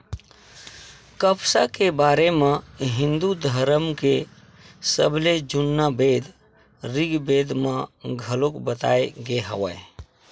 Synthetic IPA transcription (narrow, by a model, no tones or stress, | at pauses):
kəpsakebaɾemeɦĩnd̪ud̪ʱəɾəmke | səbled͡ʒunːəbed̪ | ɾiɡbed̪meɡʱəlokbət̪a̰eɡeɦəʋə̰e